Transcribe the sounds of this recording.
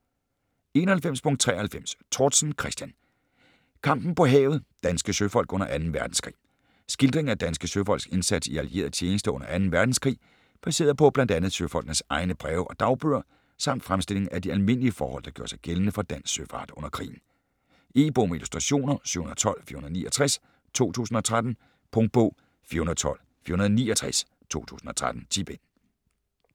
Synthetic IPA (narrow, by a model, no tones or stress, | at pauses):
e̝ːnɐhælfem̰spʰɔ̽ŋd̚t͡sʰʁɛ̰ːɐhælfem̰st͡sʰoːd̥sn̩kʰʁɛsd̥jæn | kʰɑ̈m̰b̥n̩pɒ̽ɦɛ̰ːʊð̩ˠd̥ænsɡ̥əsøfɒ̽l̰ɡ̥ɔ̽n̰ɐʔænn̩ʋæɐd̥n̩skʰʁḭː | sɡ̥ild̥ʁe̝ŋnæd̥ænsɡ̥əsøfɒ̽l̰ɡsɡ̥e̝nsæd̥siælie̝̰ːɐð̩ˠt͡ɕʰeːnəsd̥əɔ̽n̰ɐʔænn̩ʋæɐd̥n̩skʰʁḭː | pʰæse̝̰ːɐðˠpʰɒ̽b̥lænd̥ænð̩ˠsøfɒ̽l̰ɡ̥nəsɑ̈ɪnəb̥ʁɛːʊʔɒ̽d̥ɑ̈ʊb̥øɐ̰ | sɑ̈m̰d̥fʁamsd̥e̝l̰e̝ŋn̩æd̥iælme̝n̰liəfɒ̰ːhɒ̽l̰d̥ɑɡ̥jo̰ɐsɑ̈ɪɡ̥eln̩əfɒ̽d̥æn̰ssøfɑ̰̈ːd̥ɔ̽n̰ɐkʰʁḭːn̩ | ʔe̝̰ːb̥oːmilusd̥ʁɑ̈ɕo̝̰ːnɐsy̰ɐhunðˠt͡sʰɒ̽l̰fiɐhunðˠnḭːɒt͡sʰʁas | t͡sʰo̝̰ːt͡sʰṵːsn̩ɒ̽t͡sʰʁad̥n̩ | pʰɔŋd̥̚b̥ɔ̰̽ʊ̰ | fiːɐhunɐð̩ˠt͡sʰɒ̽l̰ | fḭɐhunɐðˠniːɒt͡sʰʁɛs | t͡sʰo̝̰ːt͡sʰṵːsn̩ɒ̽t͡sʰʁad̥n̩t͡sʰḭːb̥en